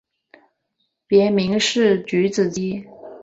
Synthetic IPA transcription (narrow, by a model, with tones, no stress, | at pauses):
pjɛ˧˥mi˧˥ŋʂɻ̩˥˩t͡ɕy˧˥t͡sɹ̩˨˩t͡ɕi˥